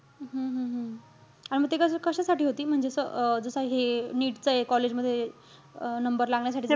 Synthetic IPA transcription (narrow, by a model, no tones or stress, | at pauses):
ɦə̃ɦə̃ɦə̃ | aɽiməɡt̪ekəskəɕasaʈʰiːɦot̪iːm̤əɳd͡zesə̰d͡zəsəɦeniːʈt͡səekɔled͡ʑməd̪ʱːje | nəmbəɾlaŋɡɳjas̬aʈi